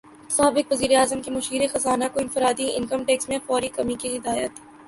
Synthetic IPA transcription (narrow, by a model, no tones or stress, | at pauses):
saːbɪkʋɐziːɾeaːzəmkimʊʃiːɾexɐzaːnakoɪ̃nfɪɾaːd̪iɪ̰̃nkəmʈeːksmẽfɔːɾikɐmikiɦɪd̪aːjət̪